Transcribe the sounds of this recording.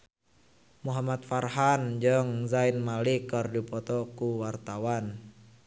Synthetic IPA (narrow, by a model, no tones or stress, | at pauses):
muɦamat̪̚farɦand͡ʒəŋzainmalikərdipɔt̪ɔkuwart̪awan